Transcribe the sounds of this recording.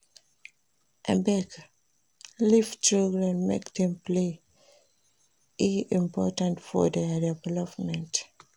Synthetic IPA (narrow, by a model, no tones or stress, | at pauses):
ʔɛ̃bɛk | lift͡ʃoɡɹɛ̃nmḛkdɛ̃mple | iĩmpɔtãntfɔ̰dɛdɛvɛlɔpmɛ̃nt